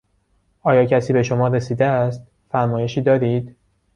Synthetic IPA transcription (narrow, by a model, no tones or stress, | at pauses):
ʔɒːjɒːcʰæsiːbe̞ʃo̞mɒːɾe̞siːd̪eæst̪̚ | fæɾmɒːje̞ʃiːd̪ɒːɾiːd̪